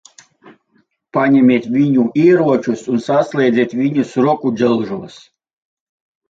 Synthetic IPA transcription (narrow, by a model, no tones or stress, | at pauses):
paɲʲɛmʲiɛt̪ʲvʲiɲuiːɾuɔt͡ʃusunsaslʲɛːd̪zʲɛːt̪ʲvʲiɲusɾuɔkuɛlˠʒuɔs